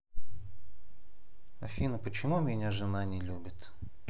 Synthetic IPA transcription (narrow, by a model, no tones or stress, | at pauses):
ɐfʲinəpət͡ɕɪmumʲɪnʲaʐɨnanʲɪlʲubʲɪt̪